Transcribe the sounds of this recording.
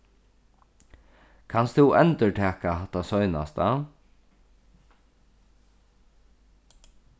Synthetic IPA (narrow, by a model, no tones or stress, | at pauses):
kʰanst̪ʊwʔɛnt̪əʈʰɛːkahat̪ːasɔʏna̰st̪a